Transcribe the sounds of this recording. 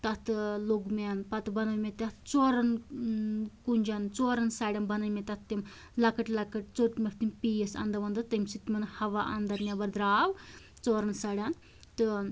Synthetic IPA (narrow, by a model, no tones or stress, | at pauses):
t̪ɐt̪loɡmʲanpat̪ɨbɐnɐʋmʲet̪ʲat̪t͡soɾɐn | kunʲd͡ʒant͡soɾɐnsaːɽʲjanbɐnɐmʲet̪at̪t̪im | lɐkɐʈlakəʈ̚t͡soʈmʲɐft̪impijəsɐ̰nd̪ɐʋɐnd̪ɐt̪ːəmsit̪mʲɐnhɐʋaʔɐ̰nd̪ɐɾnʲabɐɾd̪ɾaːʋ | t͡soːɾɐnsaɽʲan | t̪ɨ